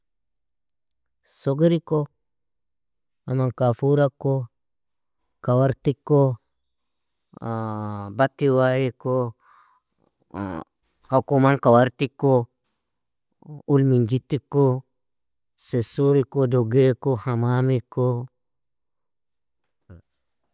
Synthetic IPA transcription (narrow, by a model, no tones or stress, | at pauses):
soɡeɾiko | amankafuɾakːo | kawaɾtikːo | batːiwajeko | hakumankawaɾtikːo | ulmind͡ʒitːikːo | sesuɾikodoɡekohamaːmiko